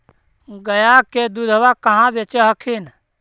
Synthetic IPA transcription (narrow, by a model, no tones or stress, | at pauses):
ɡəjaked̪ud̪ʱəʋakəɦãbet͡ʃeɦəkʰin